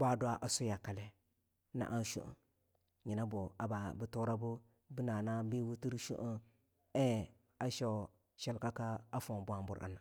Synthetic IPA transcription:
ba˦dʷa˦ʔa˨su˦ja˨ka˨le˦ | na̰˨ʔa˦n˦ʃṵ˦ʔṵ˨ | ɲi˨na˦bu˨a̰˨ba˨bi˨tu˦ɾa˦bu˦ | bi˦na˨na˦bi˦wu˦ti˦ɾʃṵ˦ʔu˦ | e˦˨ | a˦ʃa˦˨ | ʃe˦lka˦ka˦a˦fo˨n˨bu˦a˨mbṵ˨ɾʔa̰˨na˨

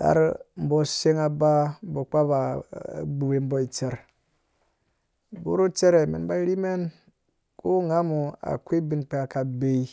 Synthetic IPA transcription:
a̰˨ɾm̩˨˦bo˦se˦ŋa˨ba˦m̩˦bo˨k͡pa˦ba̰˨ɡ͡bu˨we˨m̩˦bo˦i˨t͡se˨ɾ | bṵ˦ɾu˦t͡se˦ɾe˨mḭ˨nba˦ɾi˦me˦n | ku˦ŋa˦mu˨a̰˨kʷi˦bi˦nk͡pe˦a˨ka˨be˨i˦

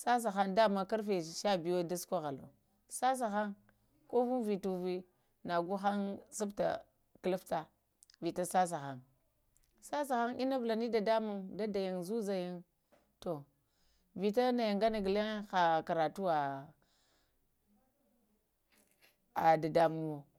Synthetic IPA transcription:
sa˦s̬a˨xa˦nda˦˨ma˦ka˦ɾfe˨ʃa˦bi˨jo˦da˦skʷa˦ɣa˨lo̰˨ | sa˦s̬a˨xa˦ŋ | ko˦vu˦ŋvi˨tu˨vi˦ | na˨ɡu˦xa˦nsa˦bta̰˨ | kla˦fta˨ | vi˨ta˦sa˦s̬a˨xa˦ŋ | sa˦s̬a˨xa˦ŋʔi˦na˦vla˨ni˦da˨da˦mu˦ŋda˦da˨ja˨ŋzu˦za˨ja˦ŋ | to˨ | vi˨ta˦na˨ja˨ŋɡa˦na˨ɡle˦xa˨ka˨ɾa˨tu˦wa˨ | a˨da˨da˨mu˦mo˨

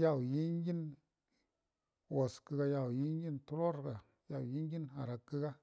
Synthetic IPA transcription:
ja˦˨wji˦ɲ˦ɡi˦n | wo˨skɨ˧ka˧ja˧˨wji˦ɲɡi˦ntu˦ɾo˦ɾka˨ | ja˨wji˦ɲ˦ɡi˦na˨ɾa˨kːi˦ka˦

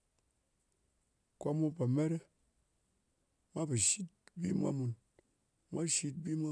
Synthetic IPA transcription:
kʷa˦mu˦pa˨me˦ɾe˦ | mʷa˦ba˨ʃi˦t̚bḭ˦mʷa̰˦mu˧n | mʷʔa˦ʃi˦t̚bi˦mʷa˦

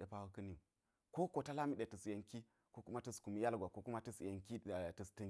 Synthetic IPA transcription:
ɗe˨pa˦wu˦kə˦ni˨ | ko˦ko˨ta˦la˦mi˦˨ɗe˨tɨ˨sje˨ŋki˦ | ko˦ku˦ma˦tɨ˦sku˨mi˦ja˦lɡʷa˨ko˦ku˦ma˦tɨ˦sje˨ŋki˦˨tɨ˨stɨ˦

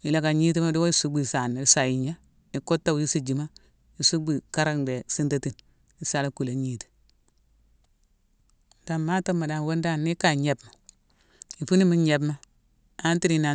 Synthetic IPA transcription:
i˨la˨ka˨ɲi˦t̬i˦ma˦du˦wo˦i˦su˦bi˨sa˨ni˨˦sa˨ji˨ɲa˦ | i˨ko˦tːa˨wji˦si˦˨d͡ʒi˨ma˦ | i˨su˦bi˨ka˦ɾa˦ŋde˨si˦nta˦ti˨n | i˨sa˦la˦ku˨la˨ɲi˦ti̥˨ | da˨mma˦ta˦mːa˨da˨nwo˦nda˦˨nːi˦ka˨ɲe˨bma˨ | i˨fu˦ni˦mi˦ɲe˨bma˦ | a˦nti˦ɾi˨na˨

